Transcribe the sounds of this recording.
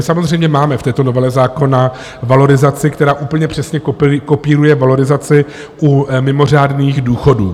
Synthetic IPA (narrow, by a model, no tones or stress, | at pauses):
ɪsamozr̝ɛjmɲɛmaːmɛft̪ɛːt̪ono̞vɛlɛzaːko̞na | valo̞ɾɪzat͡sɪkt̪ɛɾaːʔuːpl̩ɲɛpr̥ɛsɲɛkko̞piːɾujɛvalo̞ɾɪzat͡sɪ | ʔumɪmo̞r̝aːdniːxduːxo̞duː